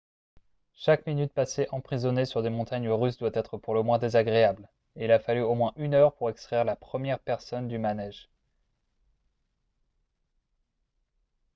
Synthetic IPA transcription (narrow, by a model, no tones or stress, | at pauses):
ʃakminyt̪̚paseʔɑ̃pχizɔnesyʁd̪emɔ̃t̪aɲəʁys̬d̪wat̪ɛt̪χəpuʁləmwɛ̃d̪ezaɡʁeabl | eilafalyomwɛ̃ʔynœʁpuʁɛkst̪χɛʁlapχəmjɛʁpɛʁsɔnd̪ymanɛʒ